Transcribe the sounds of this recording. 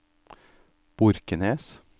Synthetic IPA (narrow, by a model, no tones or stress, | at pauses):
b̥ʊɾkəneːs